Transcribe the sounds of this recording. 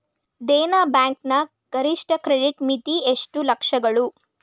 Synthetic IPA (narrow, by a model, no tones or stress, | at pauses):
d̪eːnaːbaːŋknɐ | ɡ̥ɐɾiʂʈɐkɾeɖiʈmit̪ieʂʈulɐkʂɐɡɐɭu